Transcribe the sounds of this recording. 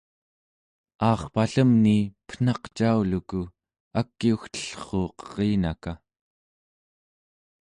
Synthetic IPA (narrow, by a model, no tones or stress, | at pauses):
ɑːχpaɬəmnipə̥n̥ɑqt͡ʃauluku | akːiuxt̪ə̥ɬχoːqə̥ʁiːnaka